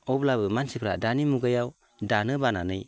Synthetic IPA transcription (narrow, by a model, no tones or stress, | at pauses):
ɔblabɯmansipʰɾa̰danimuɡajaw | danɯbananɯj